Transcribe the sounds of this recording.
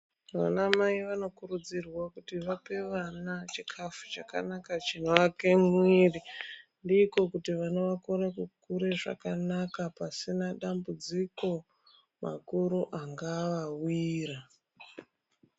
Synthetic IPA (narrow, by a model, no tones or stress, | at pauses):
ʋa̰namaiʋano̞kurud͡zirwakutiʋape̞ʋanat͡ʃikʰafut͡ʃaka̰nakat͡ʃin̤uake̞mwiri | ndiko̞kutiʋanoʋakoɾakukuɾe̞ʐa̰kanakapasinaɗambud͡ziko̞ | ma̰kuɾuʔaŋɡaʋawiːra